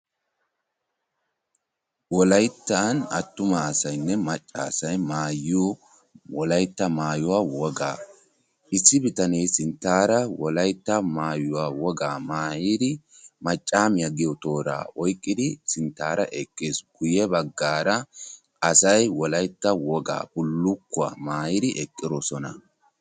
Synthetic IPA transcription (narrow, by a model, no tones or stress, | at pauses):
wɔlɐjt̪ːaːnɐ̰t̪ːʊmɐːsɐjnːɛmɐt͡ʃʼːa̰ːsɐjmaːjoː | wɔlɐjt̪ːɐmaːjʊwaːwɔɡa̰ː | ʔɪsːɪbɪt̪ɐnejsɪnt̪ːaːɾɐwɔlɐjt̪ːɐmaːjʊwaːwɔɡaːmaːjiːd̪ɪ | mɐt͡ʃʼːaːmɪjaɡɪjɔt̪o̞ːɾa̰ːʔɔjkʼːɪd̪ɪsɪnt̪ːaːɾɐ̰ʔɛkʼːeːsɡ̥ʊjɛbɐɡːaːɾɐ | ʔɐsɐjwɔlɐjt̪ːɐwɔɡa̰ːbʊlːʊkːʊa̰ːmaːjɪd̪ɪʔɛkʼːɪɾɔsɔnɐ̰